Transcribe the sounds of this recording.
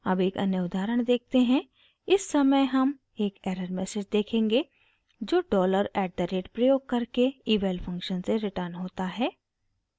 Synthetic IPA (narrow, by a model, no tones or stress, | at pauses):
ɐbeːkɐ̰njəʊd̪aːɾəɽ̃d̪eːk̚ʰt̪eɦɛ̃ | ɪsːɐməjɦɐm | eːkeːɾəɾmɛːseːd͡ʒd̪eːkʰẽːŋɡe | d͡ʒoːɖɔːləɾɛːɖ̚d̪əɾeːʈpɾəjoːɡ̚kɐɾkeiːʋeːlfʰɐ̃ŋkʃənseɾɪʈəɾnɦoːt̪aɦɛː